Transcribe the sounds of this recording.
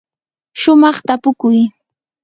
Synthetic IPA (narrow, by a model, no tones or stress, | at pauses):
ʃʊmɑχt̪apʊkʊj